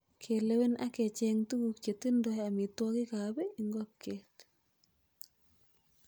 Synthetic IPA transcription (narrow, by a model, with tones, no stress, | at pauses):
kʰe˨le˦we˦nʔa̰˦kɛ˨t͡ʃɛŋtu˦ɡu˨kt͡ʃe˨ti˦ndɔ˨ja˨mɪ˨twɔ˦kɪ˦ka˨bɛ˦i˨ŋɡɔ˦kʰːet